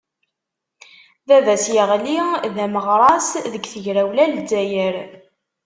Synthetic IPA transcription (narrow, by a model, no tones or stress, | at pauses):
ðævæsjəʁliðæməʁɾˤɑsðəɡθəʝɾæwlæld͡zːæjəɾ